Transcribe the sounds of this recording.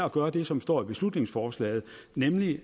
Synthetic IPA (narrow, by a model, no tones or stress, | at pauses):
ɒɡ̥ɶːɐd̥e̝sɒ̽msd̥ɒ̰ːib̥e̝slud̥ne̝ŋsfɒːslɛ̰ːɪð̩ˠ | nemli